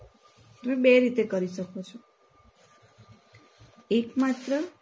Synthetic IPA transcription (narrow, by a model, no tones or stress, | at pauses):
t | t̪ʌmebeɾit̪ekʌɾisʌkʰot͡ʃʰo | ekmat̪ɾə